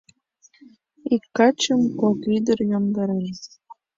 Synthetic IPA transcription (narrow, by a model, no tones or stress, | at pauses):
ikːɑt͡ɕə̆mkokyd̪ə̆rjomd̪ɑɾen